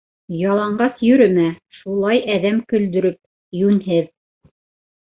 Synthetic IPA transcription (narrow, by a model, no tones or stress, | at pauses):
jɑlˠɑɴɢɑsjɵ̆ɾɘmæʃulˠɑjʔæðæmkɵ̆ld̪ɵ̆ɾɵp̚ | jʉnɦɘð